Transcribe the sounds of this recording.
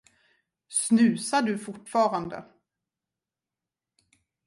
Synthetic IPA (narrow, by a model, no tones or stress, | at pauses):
snʉ̟ːsaɖɵfʊʈfɑːɾand̪ə̰